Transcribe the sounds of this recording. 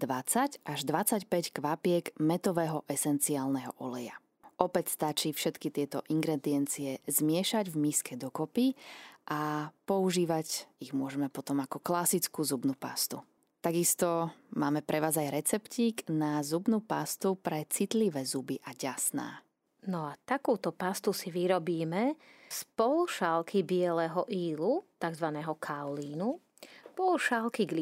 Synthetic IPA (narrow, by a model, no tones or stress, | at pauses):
d̪ʋat͡sacaʒd̪ʋat͡sacpɛckʋapɪɛɡmɛt̪ɔʋɛːɦɔʔɛsɛnt͡siaːlnɛɦɔ̰ʔɔlɛja̰ | ʔɔpɛcst̪at͡ʃiːfʃɛt̪kit̪ɪɛt̪ɔʔiŋɡɾɛd̪iɛnt͡siɛzmɪɛʃaɟvmiːskɛd̪ɔkɔpiʔapɔuʒiːʋaɟiɣmʊɔʒɛmɛpɔt̪ɔmakɔklasit͡skuːzubnupa̰st̪u | t̪aɡist̪ɔmaːmɛpɾɛʋaːzajɾɛt͡sɛpciːɡnazubnupast̪upɾɛt͡sit̪liʋɛːzubiʔaɟasna̰ː | nɔat̪akuːt̪ɔpast̪usiʋiɾɔbiːmɛspɔluʃalkibɪɛlɛːɦɔʔiːlut̪aɡzʋanɛːɦɔkʰawliːnu | pɔluʃalkiɡli